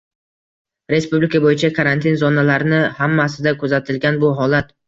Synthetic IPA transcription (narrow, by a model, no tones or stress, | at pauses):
ɾe̞spublɪkʰabojɪt͡ʃʰakʰaɾant̪ʰinzɒnalaɾɪnɪhamːasɪd̪akʰɵzat̪ʰɪlɡʲanbʊɦɒlat̪